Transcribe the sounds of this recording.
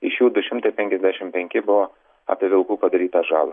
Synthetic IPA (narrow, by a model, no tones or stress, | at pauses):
ɪʃjuːd̪ʊʃʲɪmt̪ɐɪpʲɛŋʲkʲɛzʲd̪ʲæːʃʲɪmpʲɛŋʲkʲɪbʊʋo | ɐ̰pʲɪʋʲɪlˠkuːpɐd̪ɐɾʲiːt̪ɐʒɑːlˠɐ